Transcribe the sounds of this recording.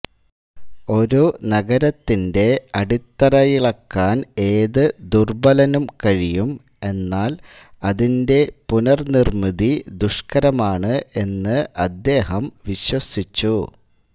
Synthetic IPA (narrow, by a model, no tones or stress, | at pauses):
o̞ɾunɐɡɐɾɐt̪ːinde̞ɐɽit̪ːɐɾɐjiɭɐkːaːne̞ːðɨd̪urbɐlɐnumkɐɻijum | e̞nːaːl | ɐðinde̞punɐrnirmiðid̪uʂkɐɾɐmaːɳɨe̞nːɨʔɐd̪ːe̞ːɦɐmʋiɕwɐsit͡ɕːu